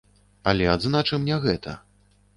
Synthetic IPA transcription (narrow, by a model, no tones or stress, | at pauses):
alʲɛad̪znat͡ʂɨmnʲɛɣɛt̪ʰɐ̰